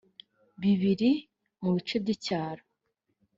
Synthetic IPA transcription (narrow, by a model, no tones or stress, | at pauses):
βiβiɾi | muβit͡ʃebɟicaːɾo